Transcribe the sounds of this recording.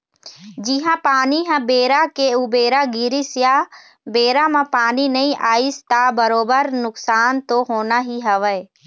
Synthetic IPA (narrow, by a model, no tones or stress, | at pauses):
d͡ʒiɦãpaːniɦãbeːɾakeubeːɾaɡɪɾisja | beːɾamãpaːninɐĩʔaːist̪abɐɾoːbəɾnʊksaːnt̪oɦoːnaɦiɦɐʋəe